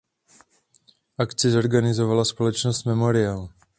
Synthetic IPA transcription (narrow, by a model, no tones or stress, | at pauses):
ʔakt͡sɪzo̞ɾɡanɪzovalaspo̞lɛt͡ʃnost̪mɛmoɾɪal